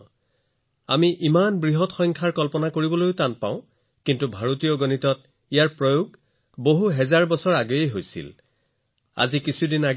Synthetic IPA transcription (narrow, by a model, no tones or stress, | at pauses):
a̰miʔimanbɹiɦɔtxɔjŋkʰaɹkɔlpɔnakoɹibɔlojʊtanpã̰ʊ̃ | kintubʱaɹotijɔɡonitɔt | ijaɹpɹojoɡ | boɦuɦɛzaɹbɔsɔɹaɡojejɦojsḭl | a̰zikisʰudinaɡ